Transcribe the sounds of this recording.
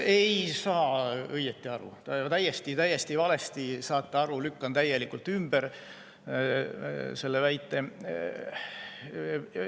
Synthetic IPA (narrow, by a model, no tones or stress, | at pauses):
e̞jsɑːɤjet̪ːiɑɾṵt̪ɑt̪æjːest̪it̪æjːest̪ivɑle̞st̪isɑːt̪ːˑeɑɾulykːɑnt̪æje̞likːult̪ːymb̥eɾ | se̞lːevæjt̪ːˑe̞